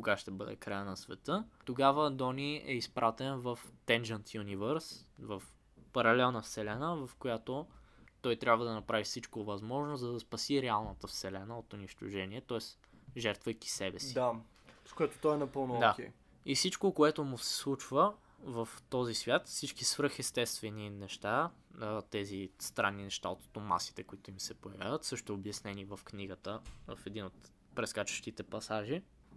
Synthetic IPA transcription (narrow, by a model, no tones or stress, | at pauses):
koɡaʃt̪ɛbɤd̪ɛ̰kɾajənɐsvɛt̪ɤt̪oɡavəd̪ɔniɛ̰ispɾʔat̪ɛnvɐft̪ɛnd͡ʒənt̪junivəɾsvɐf | pɐɾɐlɛlˠnəfsɛlɛnəvɐfkojat̪ot̪ɔjt̪ɾʲabvəd̪ɐnɐpɾavifsit͡ʃkovɐzmɔʒnʊzzɐd̪ɐspɐsiɾɛalˠnət̪əfsɛlɛnəot̪ʊniʃt̪ʊʒɛniɛt̪ɔɛs | ʒɛɾt̪vəjki̥sɛbɛsi̥d̪a | skoɛt̪o̥t̪ɔɛnɐpɤlˠnʊd̪akɛ̰ | ifsit͡ʃkokoɛt̪ʊmʊsɛ̥slˠut͡ʃvə | vɐft̪ɔzisvʲjat̪fsit͡ʃkisvɾɤxɛst̪ɛst̪vɛninɛʃt̪a | t̪ɛzist̪ɾanːinɛʃt̪aot̪t̪oma̰ski̥t̪ɛkoit̪ʊmisɛpojɛvʲja̰vət̪sɤʃt̪ɛobjɐsnɛnivɐfkniɡət̪əv̰fɛd̪inot̪ | pɾɛskat͡ʃə̥ʃt̪it̪ɛpɐsaʒi